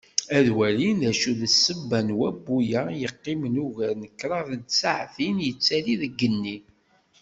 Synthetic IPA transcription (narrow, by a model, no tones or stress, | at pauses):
æðwælinæʃuðəsːəbːænwæbːujæjəqːimnuʝəɾnəkːɾˤɑðd̪saʕθinjət͡sːæliðəɡːənːi